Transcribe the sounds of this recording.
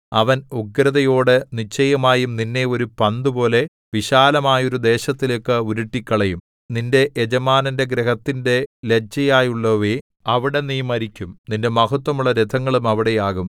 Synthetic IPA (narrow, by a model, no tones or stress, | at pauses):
ɐʋɐnuɡɾɐðɐjo̞ːɽɨnit͡ɕːɐjɐmaːjumninːe̞o̞ɾupɐnd̪ɨpo̞ːle̞ | ʋiɕaːlɐmaːjo̞ɾud̪e̞ːɕɐt̪ːilekːɨuɾuʈːikʲːɐɭɐjum | ninde̞ʔed͡ʑɐmaːnɐnde̞ɡɾeɦɐt̪ːinde̞let͡ɕːɐjaːjuɭːɐʋe | ɐʋiɽe̞nijmɐɾikʲːumninde̞mɐhɐt̪wɐmuɭːɐɾed̪ʰʱɐŋːɐɭumɐʋiɽe̞jaːɣum